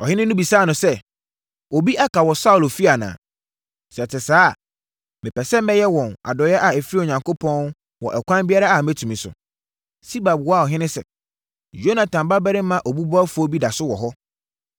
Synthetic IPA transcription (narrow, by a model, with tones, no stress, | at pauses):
ɔ˨hɪ̃˦nɪ̃˦nũ˦bi˨saː˦˨nʊ̃˨sɛ˦ | o˨bi˦ʔa˦kʰa˨wɔ˨sa˦ʊ˨lfi˦a˨nã̰ː˨ | sɛ˨tʰɪ˨saː˦˨ | mɪ̃˨pɛ˨sɛ˦mɛ̃˦jɛ˦wɔ̃˨na̰˨dɔ˨jɛ˦ʔa˨ɛ˨fi˦ɾi˦o˨ɲã˨ŋkʰo˦pʰɔ̃˦n˦ | wɔ̰˨ʔɛ˨kʷʰã˦nbi˦a˦ɾa˦a˨mɛ˦tʰũ˨mĩ˨sʊ̰˨ | si˦ba˨bwɔ˦a˨ɔ˨ɦɪ̃˦nɪ̃˦sɛ˨ | jo˦nã˨tʰã˨mba˦bɛ˦ɾɪ˦mã˦ʔɔ˨bu˦bɔ˦fu˨˦ɔ˦bi˦da˨sʊ˦wɔ˨ɦɔ˦